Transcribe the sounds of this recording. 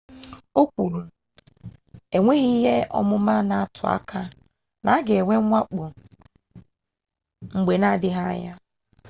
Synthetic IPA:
o˦kʷu˨ɾu˨ | e˨ŋʷe˦ɣi˦ɦe˦ʔɔ̰˦mʊ˦ma˦na˨a˨tʰʊ˨a̰˦kʰa˦ | na˨˦ɡe˨ŋʷe˦ŋʷa˦k͡po˨ | ŋ͡m̩˨ɡ͡be˨na˦˨dɪ˦ɦa̰˦ja˦

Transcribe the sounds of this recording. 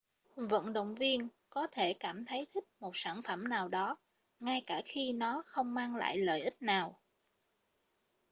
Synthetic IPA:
və̰˧˨nɗə̰˧˨wŋ͡mvi˧ən | kɔ˨˦t̪ʰe˧˩kaː˧˩mt̪ʰə˨˦jt̪ʰï˦˥k̚mo˨˩t̚saː˧˩nfə˧˩mnaː˨˩wɗɔ˨˦ | ŋa˧jkaː˧˩xi˧nɔ˨˦xə˧wŋ͡mmaː˧ŋla̰ː˧˨jlə̰ː˧˨jʔï˦˥k̚naː˨˩w

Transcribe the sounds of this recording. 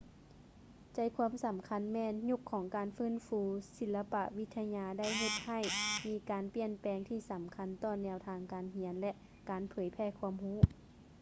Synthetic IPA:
t͡ɕa˧˩jkʰuː˧˥˨msa˨˩˦mkʰa˧˥nmɛː˧˨nɲu˧˥kʰːɔː˨˩˦ŋkaː˨nfɯː˧˥˨nfuː˧˦si˧˦lla˧pa˧ʔʋi˧t̪ʰːa˧ɲaː˧da˥˩jɦe˧t̪̚ha˧˩jmiː˨˧kaː˨npi˧˩ənpɛː˨˩ŋt̪ʰiː˧˩sa˩˦mkʰa˧˥nt̪ɔː˧˩nɛː˧wt̪ʰaː˧ŋkaː˨nɦi˧˦ənlɛ˧ʔ | kaː˨˩npʰɤː˩˦jpʰɛː˧˩kʰu˧əmhuː˧˥

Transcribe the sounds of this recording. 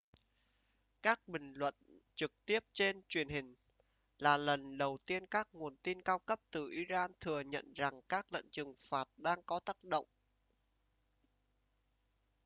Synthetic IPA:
kaː˦˥k̚ɓï˨˩ŋ̟lwə̰˧˨nt͡ɕɨ˨˩k̚t̪i˦˥əp̚t͡ɕe˧nt͡ɕwi˨˩ənhï˨˩ŋ̟ | laː˨˩lə˨˩nɗə˨˩wt̪i˧ənkaː˦˥k̚ŋu˨˩ənt̪i˧nkaː˧wkə˦˥p̚t̪ɨ˨˩ʔi˧˦zaː˧nt̪ʰɨ˨˩əɲə̰˧˨nza˨˩ŋkaː˦˥k̚lə̰˧˨nt͡ɕɨ˨˩ŋfaː˨˩t̚ɗaː˧ŋkɔ˨˦t̪aː˦˥k̚ɗo̰˧˨wŋ͡m

